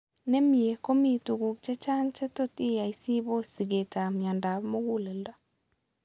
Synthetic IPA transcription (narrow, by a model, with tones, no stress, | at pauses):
ne˦mi˨e˨ko˦mi˨tu˨ɡu˨k̚t͡ʃɛ˦t͡ʃa˦nt͡ʃɛ˦to˦ti˦ja˨i˦si˦bo˦si˨ɡe˨ta˨mja˨nda˨mo˦ɡu˦le˨lda˦